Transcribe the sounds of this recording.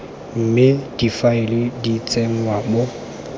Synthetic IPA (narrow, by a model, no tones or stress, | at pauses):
m̩mɪd̥ifaɪlɪdit͡sʼem̩wabo